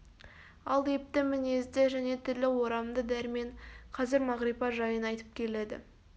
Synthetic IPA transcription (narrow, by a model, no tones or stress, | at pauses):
ɑlˠe̞p̚t̪ɪmɪne̞zd̪ɪʒæne̞t̪ʰʏlːɪwo̞ɾɑmd̪əd̪æɾme̞ɴqʰɑzɪɾmɑʁɾipɑʒɑjənɑjt̪ə̥p̚kʲʰe̞le̞d̪ɪ̰